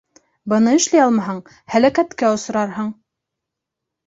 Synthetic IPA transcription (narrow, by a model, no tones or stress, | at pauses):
bɤ̆nɤɘ̆ʃlæjɑlˠmɑɦɑɴ | hælækæt̪kæŏs̆ɾɑɾɦɤɴ